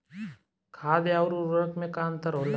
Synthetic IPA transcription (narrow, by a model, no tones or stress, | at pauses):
kʰaːd̪eaʊɾuɾəkmẽkaənt̪əɾɦoːl